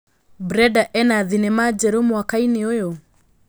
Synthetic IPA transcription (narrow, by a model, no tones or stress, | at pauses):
bɾɛdaʔɛnaðinemad͡ʒɛɾomwakaineojo